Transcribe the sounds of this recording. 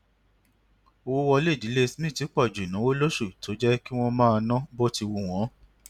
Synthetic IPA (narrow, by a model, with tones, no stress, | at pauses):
o˧wo˦wɔ˧le˦˨di˨˦le˦˧smĩ˦˨ti˨˦k͡pɔ˦˨d͡ʒu˨nã˨˦wo˦lo˦ʃu˦˨to˨˦d͡ʒɛ˦ki˦w̃ɔ̃˦mãː˦˧nã˦bo˦ti˧wu˧w̃ɔ̃˨˦